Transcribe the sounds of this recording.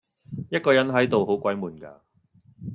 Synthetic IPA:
jɐ˥t̚kɔː˧jɐ˨˥nɦɐ˨˥jt̪o˨who˨˥wkʷɐ˨˥jmuː˨˧nka̰ː˧

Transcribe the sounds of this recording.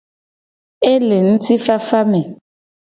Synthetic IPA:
e˦le˨n̩˦ti˦fa˦fa˦mɛ˨

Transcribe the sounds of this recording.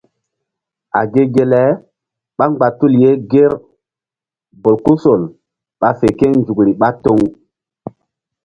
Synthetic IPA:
a̰˨ɡe˦ɡe˨lɛ˨˦ | ɓa˦ŋ͡mɡ͡ba˨tu˦lje˦ɡe˦ɾ | bo˨lku˦so˨l | ɓa˨fe˨ke˦nd͡ʒu˨kɾi˨ɓa˦to˦ŋ

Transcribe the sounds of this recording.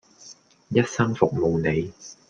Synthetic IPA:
jɐ˥t̚sɐ˥ŋfʊ˨˩k̚mo˨˧wne˨˧j

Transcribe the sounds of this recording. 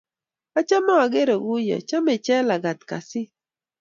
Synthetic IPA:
a˦t͡ʃa˦ma˦a˨ɡe˦ɾɔ˨ɡu˦jɔ̰˨t͡ʃa˦mɪ˨t͡ʃɛ˦la˨ɡa˨t̪̚ka̰˨sɪ˦

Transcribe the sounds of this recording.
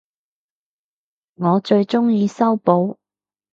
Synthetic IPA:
ŋɔː˨˧t͡ʃɵ˧ɥt͡ʃʊ˥ŋjiː˧sɐ˥wpo˨˥w

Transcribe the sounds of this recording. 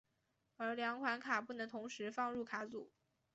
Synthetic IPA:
ə˞˧˥ljɑ˧˥ŋkʰwa˧˥nkʰa˨˩p̬u˥˩nɤ˧˥ŋt̪ʰʊ˧˥ŋʂɻ̩˧˥fɑ˥˧ŋɻu˥˩kʰa˧˥t͡su˨˩˦

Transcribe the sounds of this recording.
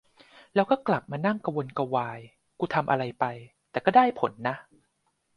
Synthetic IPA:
lɛː˦˥wkɔː˥˩kla˨˩p̚maː˧na˥˩ŋka˧wo˧nka˧waː˧j | kuː˧t̪ʰa˧mʔa̰˧ɾa˧jpa˧jt̪ɛː˨˩kɔː˥˩daː˥˩jpʰo˨˩˦nːa˦˥ʔ

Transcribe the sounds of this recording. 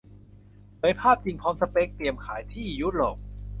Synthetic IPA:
pʰɤː˨˦jpʰaː˥˩p̚t͡ɕi˧ŋpʰɔː˧msa˧pe˦˥k̚t̪i˨˩əmkʰaː˩˦jt̪ʰiː˥˩ju˦˥t̪̚loː˨˩k̚

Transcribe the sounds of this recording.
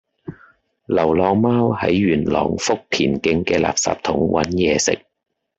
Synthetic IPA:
lɐ˨˩wlɔː˧ŋmaː˥whɐ̰˨˥jɥyː˨˩nlɔ̰ː˨˩ŋfʊ˥k̚pʰiː˨˩nkɪ˧ŋkɛː˧la̰ː˨p̚sa̰ː˧˨p̚t̪ʰʊ˨˥ŋwʔɐ̰˨˥njɛː˨˧sɪ̰˨k̚

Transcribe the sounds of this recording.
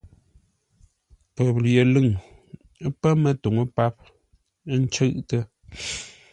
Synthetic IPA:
pə˨p̚lje˨lɨ˦˨ŋ˦ | pə˦mə˦˨to˨ŋo˦pa˦p̚ | n˦t͡ʃə˦˨ʔtə˦

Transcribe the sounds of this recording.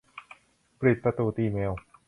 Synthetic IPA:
pɾi˨˩t̪̚pɾa˧t̪uː˨˩t̪iː˧me˧w

